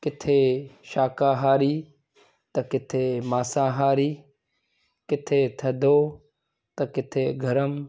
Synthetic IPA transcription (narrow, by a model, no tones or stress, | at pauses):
kɪt̪ʰeːʃaːkãːɦaːɾiː | t̪ɐkɪt̪ʰeːmaːsãːɦaːɾiː | kɪt̪ʰeːt̪ʰɐd̪oː | t̪ɐkɪt̪ʰeːɡʱɐɾəm